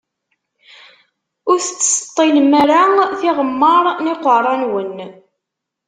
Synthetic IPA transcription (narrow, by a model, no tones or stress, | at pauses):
ʊɾθət͡sːsə̥t̪ˤːilmaɾaθɪʁəmːɑɾˤnɪqərˤɑnwən